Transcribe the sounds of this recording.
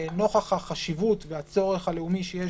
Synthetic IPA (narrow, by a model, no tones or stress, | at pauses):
no̞χaχhaχaʃivut̪veat͡so̞ʁeχaleumiʃeje